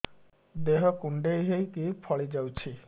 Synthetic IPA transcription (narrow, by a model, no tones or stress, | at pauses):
d̪eɦɔkuɳɖejɦejkipʰɔɭid͡ʒawt͡ʃʰi